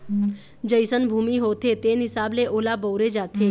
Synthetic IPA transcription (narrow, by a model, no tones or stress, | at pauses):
d͡ʒəɪsənbʱuːmiɦoːt̪ʰet̪eːnɦɪsaːbleʔoːlaboːɾed͡ʒaːt̪ʰeː